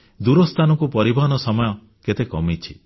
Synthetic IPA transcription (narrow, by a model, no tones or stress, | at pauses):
d̪uɾɔst̪ʰanɔkupɔɾibɔɦɔnɔsɔmɔjɔ | ket̪ekɔmit͡ʃʰi